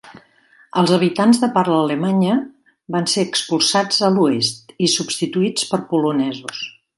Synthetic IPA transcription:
əlˠzəβ̞it̪anzðəpaɾlələmaɲə | banseəkspulˠsad͡zəluest̪isubst̪it̪uit͡spəɾpulunɛzus

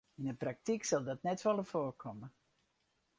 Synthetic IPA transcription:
inəprak̚tiksɔlˠdɔtnɛtʋɔlˠəfoːrkʰɔmə

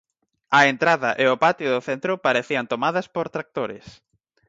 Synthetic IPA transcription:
ɐent̪ɾaðɐʔeʊpat̪jʊðʊθent̪ɾʊpaɾeθiɐnt̪omaðɐspoɾt̪ɾak̚t̪oɾɪ̰s

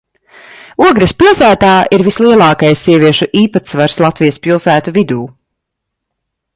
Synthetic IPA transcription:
uɔɡɾaspilˠsæːt̪aːʔiɾvislˠiɛlˠɑːkajsːiɛvʲiɛʃuʔiːpat̪svaɾslˠat̪vijəspilˠsæːt̪uvid̪uː

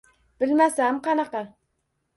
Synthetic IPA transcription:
b̥ɪlmæsæmqʰɑnɑqɑ

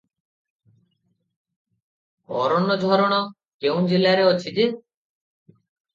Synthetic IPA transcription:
ɔ̰ɾɔnɔd͡ʒʱɔɾɔɽ̃ɔ | keũd͡ʒelaɾeɔt͡ʃʰid̪e

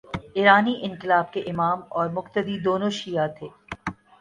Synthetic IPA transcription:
ɪɾaːniʔɪ̃ŋqɪlaːb̚keʔɪmaːmɔːɾmʊqt̪əd̪id̪oːnõʃijat̪ʰeː

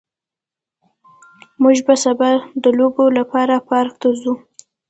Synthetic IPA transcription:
muʒbasabad̪əlobolapɑɾapɑɾk̚t̪azu

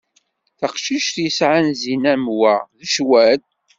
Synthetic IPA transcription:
θəqʃiʃθjəsʕanzinæmwæðəʃwæt̪̚

